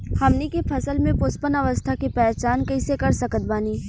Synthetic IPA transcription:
hɐmnikepʰɐsəlmẽpʊspənɐʋəst̪ʰakepɛːt͡ʃaːnkisekɐɾsɐkət̪̚baːniː

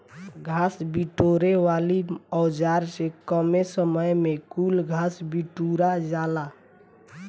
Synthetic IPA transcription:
ɡʱasbiʈoɾeʋaliɔd͡ʒaɾsekəmesəməjmekulɡʱasbiʈuɾad͡ʒala

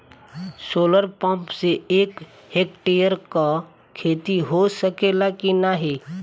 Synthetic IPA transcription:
soːləɾpə̃mpseeːk | hekʈejəɾka | kʰeːt̪iɦosəkelakinaɦe

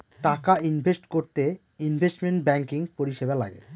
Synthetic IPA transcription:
ʈakainbʱesʈkoɾt̪e | inbʱesʈmeɳʈbɛŋkiŋpoɾiʃebala̰ɡḛ

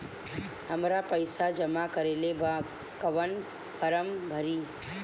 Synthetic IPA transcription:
həmɾapəɪsad͡ʒəmakəɾeleba | kəʋən | pʰəɾəmbʱəɾi

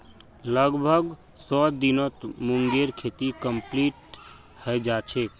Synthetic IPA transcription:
ləɡbʱəɡ | sɔd̪inət̪muŋɡeɾkʰet̪ikəmpliʈ | həjd͡ʒat͡ʃʰɛ

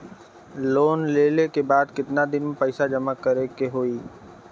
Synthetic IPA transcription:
loːnleːlekebaːd̪kɪt̪nad̪ɪnmẽpɛɪsad͡ʒɐmakəɾekeɦoːiː

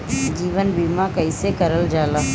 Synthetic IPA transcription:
d͡ʒiːʋənbiːmãkɐɪsekɐɾəld͡ʒaːlaː

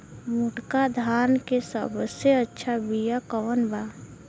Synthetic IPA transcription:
muʈkad̪ʱaːnkesə̰bseətːʃʰabijakɔːnba

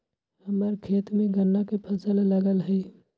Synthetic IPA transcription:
həməɾkʰeːt̪meɡənːakepʰəsəlːəɡəlɦə

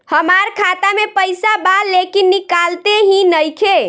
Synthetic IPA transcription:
həmaɾkʰat̪amepəjsabalekinːikalt̪eɦĩnəjkʰe

